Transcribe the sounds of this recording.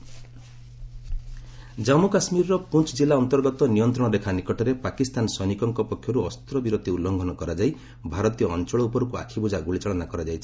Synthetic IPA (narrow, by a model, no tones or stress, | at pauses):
d͡ʒamukasmiɾɾɔpunt͡ʃʰd͡ʒilaɔnt̪ɔɾɡɔt̪ɔnijɔnt̪ɾɔɽ̃ɔd̪ekʰanikɔʈɔɾepakist̪anɔsɔnikɔŋkɔpɔkʰːjɔɾuɔst̪ɾɔbiɾot̪ʰiulːɔŋɡʱɔnɔkɔɾad͡ʒaj | bʱaɾɔt̪ijɔːnt͡ʃɔɭɔupɔɾukua̰kʰibud͡ʒaɡuɭit͡ʃɔɭɔnakɔɾad͡ʒajt͡ʃʰi̥